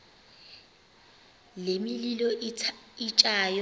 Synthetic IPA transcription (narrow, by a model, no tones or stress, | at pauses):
lemililɔ | it͡ʃʼaːj